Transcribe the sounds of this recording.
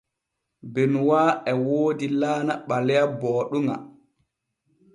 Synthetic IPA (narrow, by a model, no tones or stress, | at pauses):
bɛnwaːɛwoːdilaːnaɓalɛjabɔːɗuŋa̰